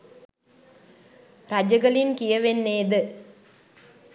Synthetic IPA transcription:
rad͡ʒəɡəlinkijəʋenːeːd̪ə

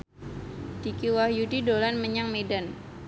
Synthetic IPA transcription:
d̥ikiwahjudidolanməɲaŋmedan

